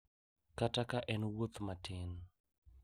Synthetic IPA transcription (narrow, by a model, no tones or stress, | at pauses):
katakaʔɛnwot̪matɪn